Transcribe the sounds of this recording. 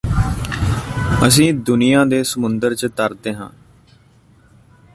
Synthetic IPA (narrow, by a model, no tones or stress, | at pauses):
əs̬ĩːd̪ʊnijãːd̪eːsəmʊnd̪əɾt͡ʃət̪əɾd̪eːɦãː